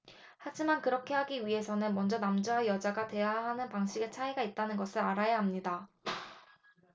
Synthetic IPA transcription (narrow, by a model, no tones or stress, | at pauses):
had͡ʑimankɯɾʌkʰe̞ɦaɡiɥiɦe̞sʰʌnɯnmʌnd͡ʑʌnamd͡ʑoajʌd͡ʑaɡate̞jaɦanɯnpaŋɕʰiɡe̞t͡ɕʰaiɡait̚t͈anɯnɡʌsʰɯɾaɾajaɦamɲida